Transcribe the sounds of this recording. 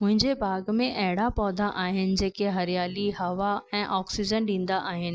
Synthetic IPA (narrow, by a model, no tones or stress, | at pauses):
mʊ̃ɦɪ̃ɲd͡ʑebʱaːɡmẽʔɐɦɪɽapɔːd̪ʱaʔaːɦɪnɪ̆d͡ʑeːkeɦɐɾjaːliɦɐʋaɛ̃ːʔɔːksɪd͡ʑənɗĩːn̆d̪aʔaːɦɪnɪ̆